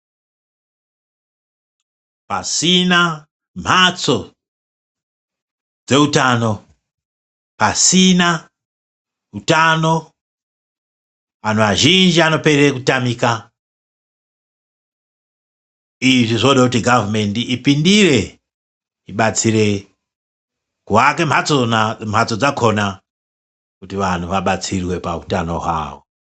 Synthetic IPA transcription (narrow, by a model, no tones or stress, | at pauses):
pa̰sina | m̤at͡so̞ | d͡ze̞utano̞ | pasina | utano̞ | anoʋaʒind͡ʒiano̞pe̞ɾekutamika | iʐiʐoɗakutiɡʱavme̞ndiʔipindiɾe̞ | iɓat͡siɾe̞ | kuwake̞m̤at͡sonam̤ɦat͡sod͡zakʰo̞na | kutiʋan̤uʋaɓat͡sirwe̞pa̰utano̞̰ɦwa̰ːo̰